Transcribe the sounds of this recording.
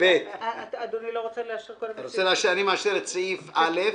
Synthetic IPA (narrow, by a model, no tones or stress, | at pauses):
b̥et̪ad̪oniloʁot͡seleaʃiʁkolɾot͡seleaʃianimeaʃiɾet͡sifalef